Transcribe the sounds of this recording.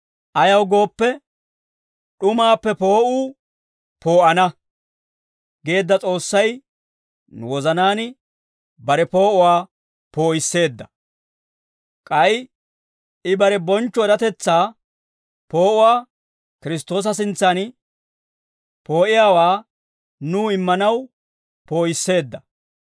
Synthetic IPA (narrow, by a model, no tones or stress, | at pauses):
ʔɐjɐwɡo̞ːpːɛ | ɗʊmaːpːɛpo̞ːʔuː | po̞ːʔɐnɐ | ɡe̞ːd̪ːɐt͡sʼo̞ːsːɐj | nʊ̰wɔzɐnaːnɪ | bɐɾɛpo̞ːʔʊwaː | po̞ːʔɪsːe̞ːd̪ːɐ | kʼɐj | ɪbɐɾɛbɔnt͡ʃːɔɛɾɐt̪ɛt͡sːaː | po̞ːʔʊwaː | kɪɾɪst̪o̞ːs̬ɐs̬ɪnt͡sːɐn | po̞ːʔɪjaːwaː | nuːɪmːɐnɐw | po̞ːjɪsːe̞ːd̪ːɐ